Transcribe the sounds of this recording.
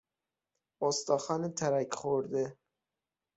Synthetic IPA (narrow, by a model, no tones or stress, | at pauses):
ost̪ɑːxɑːnet̪ʰæɾækχoɾd̪e